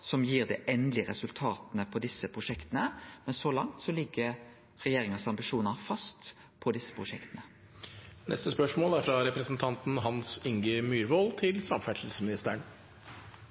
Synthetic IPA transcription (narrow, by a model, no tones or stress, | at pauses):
sɔmjiːʁd̪ɛ̰ːʔɛnd̪lɪəɾɛsʉlt̪ʰɑːt̪nəpʰɔd̪ɪsːəpʰɾʊʂɛkt̪ənəmɛnsɔlɑ̰ŋt̪sɔlɪɡːə | ɾɛjeːɾɪŋənsɑmbɪʂuːnəɾfɑst̪ | pʰɔd̪ɪsːə̥pʰɾʊʂɛkt̪ənə | nʔɛ̰st̪əspœʂmoːlæɾfɾɑɾɛpɾəsn̩t̪ʰɑnt̪n̩ɦɑnsɪŋɡəmyːɾʋolt̪ʰɪlsɑmfæʂəlsmɪnɪst̪əɳ